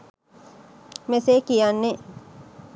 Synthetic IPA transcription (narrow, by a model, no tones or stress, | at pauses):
mesekijanːe